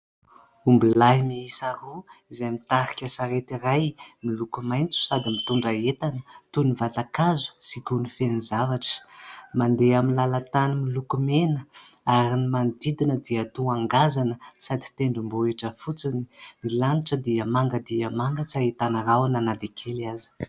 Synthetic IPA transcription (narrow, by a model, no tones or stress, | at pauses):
umbilaɦimiisaruizajmit̪aɾikʲəsaɾet̪irajmilukumajnt͡su̥sad̪imit̪uɳɖ͡ʐaet̪anət̪univat̪akazu̥sikunifenizavaʈ͡ʂə̥mand̪eaminlalat̪animilukumenə | aɾinimand̪id̪inəd̪iət̪uaŋɡazanəsad̪i̥t̪eɳɖ͡ʐimboeʈ͡ʂəfut͡sini̥milaniʈ͡ʂəd̪iəmaŋɡəd̪iəmaŋɡət͡saet̪anəɾawananad̪ekʰeliazi̥